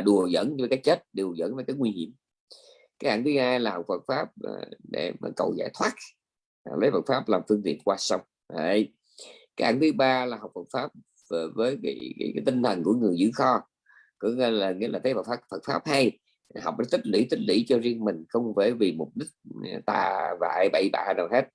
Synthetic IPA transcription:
ɗu˨˩əzə̰˧˥nɲ˧vkaː˨˦˥jt͡ɕe˦˥t̚ɗe˨˩wzə̰˧˥nvəː˨˦jkaː˨˦jŋwi˧hḭ˧˩əm | kaː˨˦jʔaː˧˩˦nt̪ʰɨ˨˦haː˧jlaː˨˩hɔ˨˩k͡p̚fə˨˩t̚faː˦˥p̚ɗe˧˩ma̰ː˨˩kə̰˨˩wza̰ː˧˩jt̪ʰwaː˦˥t̚ | a˨˩lə˨˦jvə˨˩t̚faː˦˥p̚laː˨˩mfɨ˧əŋt̪ḭ˧˨ənkwaː˧sa˧wŋ͡m | j | kaː˨˦jʔaː˧˩˦nt̪ʰɨ˨˦ɓaː˧laː˨˩ha˨˩wk͡p̚fə˨˩t̚faː˦˥p̚ | vəː˨˦jkːkːjkaː˨˦jt̪i˧ŋt̪ʰə˨˩nku˧˩əŋɨ˨˩əjzɨ̰˧˥xɔ˧ | kɔ˧˥˦ŋe˧laː˨˩ŋḭ˧˥laː˨˩t̪ʰə˨˦jvə˨˩t̚fa˦˥fə˨˩t̚faː˦˥p̚ha˧j | ha˨˩wk͡p̚ʔə˨˦t̪ʰï˦˥k̟̚lḭ˧˥˦t̪ʰï˦˥k̟̚lḭ˧˩˥t͡ɕɔ˧zi˧əŋmï˨˩ŋ̟xə˧wŋ͡mvə˧˩˦vi˨˩mʊ˨˩p̚ɗï˦˥k̚t̪a̰ː˨˩va̰ː˧˨jɓə̰˧˩jɓa̰ː˧˨naː˨˩whe˦˥t̚

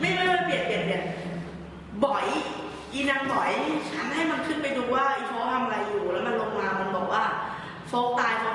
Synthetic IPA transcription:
ma˥˩jlɤː˥˩˥a˧˩pli˨˩ən̚p̪i˨˩ən̚d̪i˨˩ən̚ | bɔ˨˩˦j | ʔiː˧na˧ŋt̪ɔ˨˩˦jt͡ɕʰa˦˥nɦa˥˩jma˧nkʰɯ˥˩npa˧jduː˧waː˥˩ʔa˧˩fʰoː˦˥t̪ʰa˧mʔa˧ɾa˧jːuː˨˩lɛː˦˥ma˧nlo˧ŋmaː˧ma˧nbɔ̰ː˨˩k̚waː˥˩ | fo˦˥k̚t̪aː˧jfo˦˥

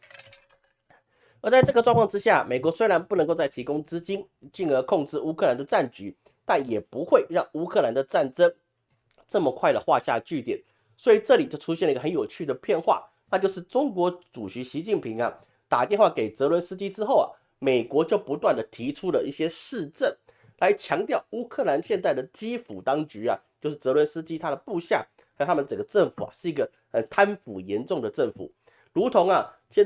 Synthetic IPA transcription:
ə˧˥t͡sa˥˧ʈ͡ʂɤ˥˩ɡə˩ʈ͡ʂwŋkʰwʰɑ˥˧ŋʈ͡ʂɻ̩˥ɕja˥˩me˨˩ɪkwɔ˧˥swe˥ɪɻa˧˥npu˥˩n˧˥ko˥˧ʊt͡sa˥˩ɪt̪ʰi˧˥kʊ˥ŋʈ͡ʂɻ̩˥t͡ɕi˥n | t͡ɕi˥˩ŋə˧˥kʰʊ˥˧ŋʈ͡ʂɻ̩˥˩u˥kʰɤ˥˩la˧˦nd̪ə˨ʈ͡ʂa˥˩nt͡ɕy˧˥˦ | t̪a˥˩njɛ˨˩pu˧˦˥xwe˥˧ɪɻɑ˥˩ŋu˥kʰɤ˥˧la˧˥nd̪ə˨ʈ͡ʂa˥˩nʈ͡ʂə˥ŋ | ʈ͡ʂɤ˥˩mə˨˩kʰwa˥˩ɪd̪ə˨xwa˥˧ɕja̰˥˧t͡ɕy˥˩t̪jɛ˨˩˦n | swɔ˧˥i˨˩ʈ͡ʂɤ˥˩li˨˩t͡ɕjo˥˩ʊʈ͡ʂʰu˥ɕjɛ˥˩nə˩˧ɡə˧xə˧˦njo˨˩ʊt͡ɕʰy˥˩d̪ə˩pʰjɛ˥˧nxwa̰˥˩ | na˥˧t͡ɕjʊʂɻ̩˥˩ʈ͡ʂʊ˥ŋkwɔ˧˥ʈ͡ʂu˨˩ɕy˧˥ɕi˧˥t͡ɕi˥˩npʰi˧˥ŋɐ˧ | t̪a˨˩t̪jɛ˥˧nxwa˥˩ke˨˩ɪt͡sɤ˧˥lwə˧˥˦nsɹ̩˥t͡ɕi˥ʈ͡ʂɻ̩˥xo˥˩ʊɐ̰˩ | me˨˩ɪkwɔ˧˥t͡ɕjo˥˩ʊpu˧˥t̪wa˥˩nd̪ə˩t̪ʰi˧˥ʈ͡ʂʰu˥lə˨i˥˩ɕjɛ˥ʂɻ̩˥˧ʈ͡ʂə˥˩n | la˧˥ɪt͡ɕʰjɑ˧˥ŋt̪jɑ˥˩ʊu˥kʰɤ˥˩la˧˦nɕjɛ˥˧nt͡s̪̬a˥˩ɪd̪ə˩t͡ɕi˥fu˨˩t̪ɑ˥ŋt͡ɕy˧˥ɐ˨t͡ɕjo˥˧ʊʂɻ̩˥˩t͡sɤ˧˥lwə˧˥nsɹ̩˥t͡ɕi˥t̪ʰa˥ɾə˨pu˥˧ɕja̰˥˩ | xə˧˥˩t̪ʰa˥mə˨nt͡sə˨˩ŋɡə˩ʈ͡ʂə˥˩ŋfṵ˨˩ɐ̰˨˩ʂɻ̩˥˩i˧˥ɡə˨ | xə˨˩nt̪ʰa˥nfu˨˩jɛ˧˥nʈ͡ʂʊ˥˩ŋd̪ə˩ʈ͡ʂə˥˩ŋfṵ˨˩˦ | ɻu˧˥t̪ʰʊ˧˥ŋɐ˨ | ɕɛ˥˧

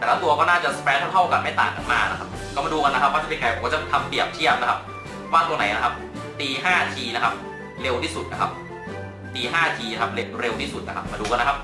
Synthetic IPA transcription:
t̪ɛː˨˩lɛ˦˥wt̪u˧ɐkɔː˥˩naː˥˩t͡ɕa˨˩spɛː˧˥nt̪ʰa˥˩wt̪ʰa˥˩ka˧˩nma˥˩jt̪a̰ː˨˩ŋka˧nmaː˧˩na˦˥kʰa˦˥p̚kɔː˥˩maː˧duː˧ka˧nːa˦˥kʰp̚waː˥˩t͡ɕa˨˩pe˧nkaː˧˩jkɔ˥˩t͡ɕa˧˩t̪ʰa˧mpi˨˩əp̚t͡ɕ̪ʰi˥˩ɐp̚na˦˥kʰa˦˥p̚ | waː˥˩t̪u˧na˩˦na˦kʰa˦˥p̚ | t̪iː˧ɦaː˥˩t̪ʰiː˧na˦˥kʰa˦˥p̚ | ɾe˧wt̪ʰiː˥˩su˨˩na˦˥kʰa˦˥p̚ | t̪iː˧ɦaː˥˩t̪ʰiː˧na˦˥kʰa˦˥p̚ɾe˧wɾe˧wt̪ʰiː˥˩su˨˩t̪̚na˦˥kʰa˦˥p̚maː˧duː˧ka˧nːa˦˥kʰa˦˥p̚

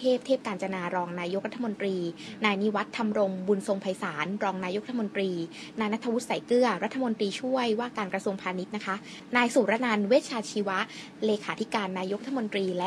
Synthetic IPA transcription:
eː˥˩p̚t̪ʰeː˥˩p̚kaː˧nt͡ɕa˧naː˧ɾɔː˧ŋnaː˧jo˦˥k̚ɾa˦˥t̪ʰːa˧mo˧nt̪ɾiː˧naː˧jni˦˥wa˦˥t̪ʰːa˧mɾo˧ŋbu˧nso˧ŋpʰa˧jsaː˩˦nɾɔː˧ŋnaː˧jo˦˥k̚ɾat̪ʰːmo˧nt̪ɾiː˧ | naː˧jna˦˥t̪ʰa˧wu˦˥t̪̚sa˩˦jkɾɯ˥˩ɐɾa˦˥t̪ʰːa˧mo˧nt̪ɾiː˧t͡ɕʰu˥˩əjwaː˥˩kaː˧nkɾa˧su˧əŋpʰaː˧ni˦˥t̪̚na˦˥kʰa˦˥ʔ | naː˧jsuː˨˩ɾa˦˧˥na˧nweː˦˥t̪̚t͡ɕʰaː˧t͡ɕʰiː˧wa˦˥ʔ | leː˧kʰaː˩˦t̪ʰi˦˥kaː˧nːaː˧jo˦˥k̚ɾa˥˧˩mo˧nt̪ɾiː˧lɛ˦˥

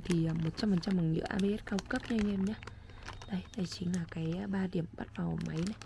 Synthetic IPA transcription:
t̪ʰi˨˩ʔəː˨˩mo˨˩t̚t͡ɕa˧mfə˨˩nt͡ɕa˧mːa˨˩ŋɲɨ̰˧˥ʔaː˧ɓe˧ʔɛ˦˥t̚kaː˧wkə˦˥p̚ɲa˧ŋɛ˧mɲaː˨˦ | ɗə˨˦jɗa˧˩jt͡ɕï˨˦ŋ̟laː˨˩kaː˨˦jɓaː˧ɗi˧˩əmɓa̰˦˥t̚vaː˨˩wʔma˨˦jna˨˩j

